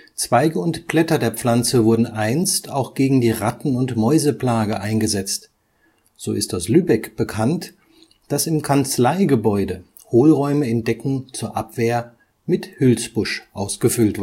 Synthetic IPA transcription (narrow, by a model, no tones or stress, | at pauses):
t͡sv̥aɪɡəʊntpl̥ɛtɐdeːɐp͡fl̥ant͡səvʊɐdn̩ʔaɪnstʰaʊxɡ̥eːɡŋ̩diːʁatn̩ʊntmɔʏzəpl̥aːɡəʔaɪnɡəzɛt͡st | z̥oːɪst̚d̥aslyːbɛkb̥əkʰant | d̥asɪmkʰant͡slaɪɡəbɔʏdə | hoːlʁɔʏməɪnd̥ɛkŋ̩t͡suːɐʔapv̥eːɐ | mɪthʏlsb̥ʊʃʔaʊsɡ̥əfʏltv̥